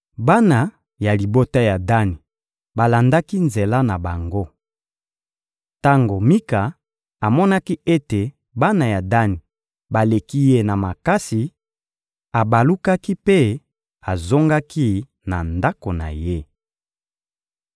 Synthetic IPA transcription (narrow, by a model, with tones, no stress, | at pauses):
ba˦na˨ | ja˨li˨bo˦ta˦ja˨da˦ni˨ | ba˨la˨nda˦ki˦nze˨la˦na˨ba˨ŋɡo˦ | ta˦ŋɡo˨mi˦ka˨ | a˨mɔ˦na˦ki˦e˦te˨ | ba˦na˨ja˨da˦ni˨ | ba˨le˨ki˦je˦na˨ma˨ka˦si˨ | a˨ba˨lu˦ka˦ki˦pe˦ | a˨zo˦ŋɡa˦ki˦ | na˨nda˦ko˨na̰˨je˦